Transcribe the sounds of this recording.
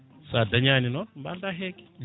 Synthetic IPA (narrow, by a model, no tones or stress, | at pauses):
sadaɲaninomba̰ndaɦeki̥